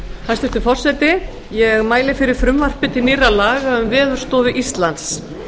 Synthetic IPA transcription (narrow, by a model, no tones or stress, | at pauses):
hast̪ɪst̪ʏfɔr̥sɛt̪ɪ | jɛɣmaːjlɪfɪɾɪɾ̥fɾʏmvar̥pɪt̪ʰɪniːralaːɣaʏmvɛːðʏɾ̥st̪ɔːvɪʔist̪lant̪s